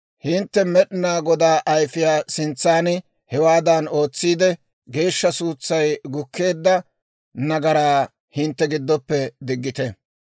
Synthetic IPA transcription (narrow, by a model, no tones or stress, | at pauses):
hɪnt̪ːɛmɛɗɪnaːɡɔd̪aːʔɐjfɪjaːsɪnt͡sːaːnɪ | hɛwaːd̪ɐno̞ːt͡sːiːd̪ɛ | ɡe̞ːʃːɐsuːt͡sːɐjɡʊkʰːe̞ːd̪ːɐ | nɐɡɐɾaː | hɪnt̪ːɛɡɪd̪ːɔpːɛd̪ɪɡːɪt̪ɛ